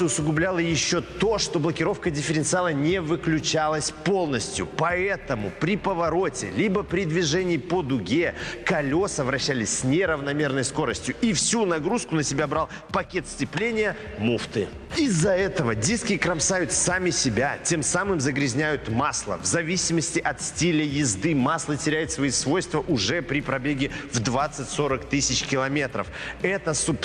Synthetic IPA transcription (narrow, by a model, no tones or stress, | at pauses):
ɨʊsʊɡʊblʲalˠəjɪɕːo̞t̪o̞ʂt̪o̞blˠəkʲɪɾo̞fkədʲɪfʲɪɾʲɪnt̪sɨalˠənʲɪvɨklʲʉt͡ɕalˠəsʲpo̞lˠnəsʲtʲjʊ̰pɐɛt̪əmʊpɾʲɪpəvɐɾo̞tʲɪ̰lʲibəpɾʲɪd̪vʲɪʐɛnʲɪːpod̪ʊɡʲekɐlʲo̞səvɾɐɕːælʲɪsʲsʲnʲɪɾəvnɐmʲe̞rnəjsko̞ɾəsʲtʲjʊifsʲunɐɡɾuskʊnəsʲɪbʲabɾalˠ | pɐkʲe̞t̪sʲtʲɪplʲenʲɪjə | muft̪ɨ | ɪzːɐɛt̪əvədʲiskʲɪkɾɐmsajʊt̪samʲɪsʲɪbʲatʲe̞msamɨmzəɡɾʲɪzʲnʲæjʊt̪maslˠə̰vzɐvʲisʲɪməsʲtʲɪʔɐt̪sʲtʲilʲəjɪzd̪ɨmaslˠətʲɪɾʲæjɪt̪svɐisvo̞jst̪vəʔʊʐɛpɾʲɪpɾɐbʲeɡʲɪvd̪vat̪sɨtʲso̞ɾəkt̪ɨsʲɪt͡ɕkʲɪlˠɐmʲe̞t̪ɾə̰fɛt̪əsʊp